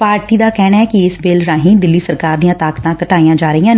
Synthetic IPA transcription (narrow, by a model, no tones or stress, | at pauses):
paːɾʈiːd̪aːkɛːnaːɛːkiɪsbeːlɾaːɦĩːd̪ɪlːiːsəɾkaːɾd̪ijãːt̪aːkt̪ãːkəʈaːijãːd͡ʒaːɾəɦijãːn